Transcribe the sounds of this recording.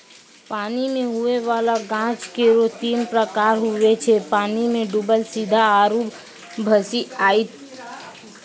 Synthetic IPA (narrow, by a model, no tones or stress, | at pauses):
paːnimẽɦʊeʋaːlaɡãːt͡ʃkeɾot̪iːmpɾəkaːɾɦʊet͡ʃʰepaːnimẽɖubəlsid̪ʱaaːɾuːb | bʱəsiaːit̪